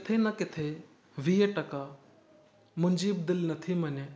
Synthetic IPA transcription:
kɪt̪ʰenɐkɪt̪ʰe | ʋiːjəʈɐka | mʊnd͡ʒiːb̚d̪ɪlnɐt̪ʰimɐne

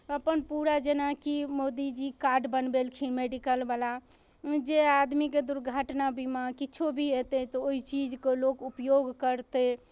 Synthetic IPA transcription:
əpənpuɾad͡ʒenakimod̪id͡ʒikaɾɖbənbelkʰimeɖikəlbala | d͡ʒead̪miked̪uɾɡʱaʈnabʱimakiːt͡ʃʰobʱiɦet̪et̪ɔoɦit͡ʃid͡ʒkelokupjoɡkəɾt̪e

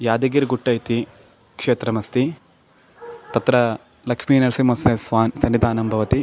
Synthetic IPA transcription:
jaːd̪ɐɡiɾɡuʈːɐjit̪i | kʂeːt̪ɾɐmɐst̪i | t̪ɐt̪ɾɐ | lɐkʂmiːnɐɾsimɐsesʋaːnsɐnːid̪ʱaːnɐmbʱɐʋɐt̪i

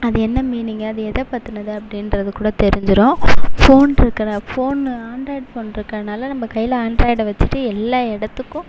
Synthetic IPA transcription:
ɐðɯɛnːɐmiːnɪŋɡɐːðɯɛðɐpɐɾt̪ːɯnɐðɯɐpːɐɽɪnɾɐðɯkuːɽɐt̪ɛɾɪɲd͡ʒɯɾõːfoːnɪɾɯkːɪɾɐfoːnaːnɾaːɪɖfoːnɪɾɯkːɐɾɐnaːlɐnɐmbɐkɐjːɪlɐaːnɖɾaːɪɽʋɐt͡ʃːɯ̥ʈːɯɛlːaːɪɽɐt̪ːɯkːʊ̃

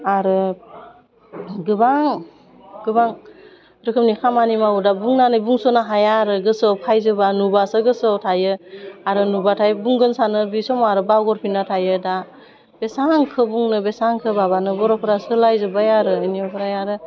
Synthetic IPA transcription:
aɾɯ | ɡɯbaŋ | ɡɯbaŋ | ɾɯkʰɯm̚nikʰamanimawudabuŋnanɯjbuŋsɔnaɦajaɾɯɡɯsɔpʰajzɯbanubasɯɡɯsɯtʰajɯaɾɯnubatʰajɯbuŋɡɯnsanɯbisɔmaɾɯbawɡɔɾpʰinatʰajɯda | b̥esaŋkʰɯbuŋnɯbesaŋkʰɯbabanɯbɔɾɔpʰɯɾasɯlajzɯbajaɾɯɯnijɔkʰɯɾajaɾɯ

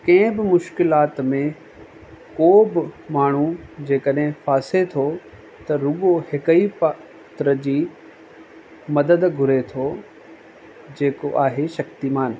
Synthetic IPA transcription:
kɐ̃ɦɪ̃bɪmʊʃkɪlaːt̪mẽ | koːbɪmaːɳ̤ud͡ʑeːkəɗɦɪ̃faːset̪ʰo | t̪ɐɾʊɠohɪkəip | t̪ɾəd͡ʑiː | mɐd̪əd̪ɡʱʊɾet̪ʰo | d͡ʑeːkoʔaːɦeʃɐkt̪imaːn

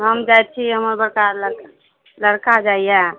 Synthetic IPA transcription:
ɦəmd͡ʒajt̪̚t͡ʃʰiɦəməɾbəɾkaɾlək | ləɽkad͡ʒaijɛ

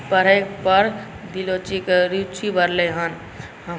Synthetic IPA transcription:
pəɾ̤ekpəɾ | b̪ilot͡ʃikeɾit͡ʃʰibʱəɾleɦən | ɦə

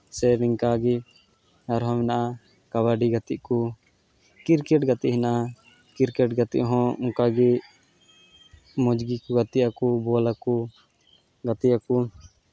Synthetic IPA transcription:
sɛɾiŋkaɡi | aɾɦɔ̃mɛnaʔa | kaβaɖiɡat̪iʔku | kiɾkɛʈɡat̪iʔɦɛnaʔa | kiɾkɛʈɡat̪ḭʔɦɔ̃uŋkaɡi | mɔd͡ʒɡikɔɡat̪iʔakubɔlaku | ɡat̪ijaku

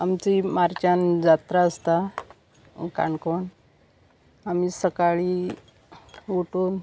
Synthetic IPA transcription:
amt͡ɕimaɾt͡ɕand͡zat̪ɾaəst̪a | ka̰ɳkoɳ | amiːsəkaɭiː | uʈuːn

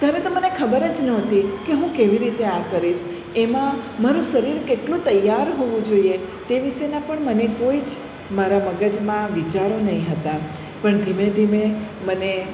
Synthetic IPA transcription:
t̪aɾet̪omənekʰəbəɾəd͡ʒnɔt̪ikeɦũkeʋiɾit̪eakəɾiʃ | emãmaɾũʃəɾiɾkeʈlũt̪əjːaɾɦoʋũd͡ʒoiet̪eʋiʃenapəɳmənekoid͡ʒ | maɾaməɡəd͡ʒmãʋit͡ʃaɾonəɦĩɦət̪a | pəɳd̪ʱimed̪ʱimeməne

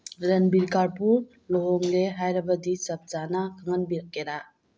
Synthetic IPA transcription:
ɾenbiɾkaɾpuɾ | loɦɔŋleɦajɾɐbɐdisɐp̚t͡ʃanakʰaŋɐnbiɾkeɾa

